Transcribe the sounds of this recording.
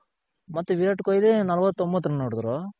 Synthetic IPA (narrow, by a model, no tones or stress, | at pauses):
mɐt̪ːuʋiɾɐʈkoːjlinɐlɐʋɐt̪ːombɐt̪ːɐnnoːɽd̪uɾo